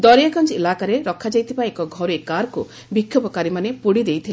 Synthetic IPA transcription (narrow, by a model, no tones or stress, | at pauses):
d̪ɔɾjaɡɔnt͡ʃelakaɾeɾɔkʰːad͡ʒajt̪ʰibaekɔɡʱɔɾuekaɾku | bikʰːjɔpɔkaɾimanepuɽid̪ejt̪ʰil